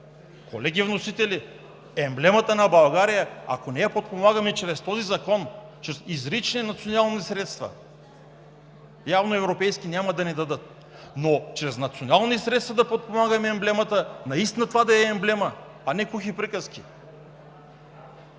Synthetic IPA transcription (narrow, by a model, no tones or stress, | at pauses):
kolɛɡʲivnosit̪ɛli | ɛmblɛmət̪ənɐbɐlˠɡaɾijəɐ̰konɛjɐpot̪̚pomaɡəmɛt͡ʃɾɛst̪ɔzizɐkɔnt͡ʃɾɛsizɾit͡ʃninɐt̪sionalˠnisɾɛt̪st̪vɐ̰ | javnoɛvɾopɛjskʲinʲamɐd̪ɐnɛd̪ɐd̪ət̪ | not͡ʃɾɛznɐt̪sionalˠnisɾɛt̪st̪vɐd̪ɐpot̪̚pomaɡɐmɛɛmblɛmɐt̪ənɐist̪inɐt̪ovad̪ɐɛɛmblɛmə | ɐnɛkuxipɾikəski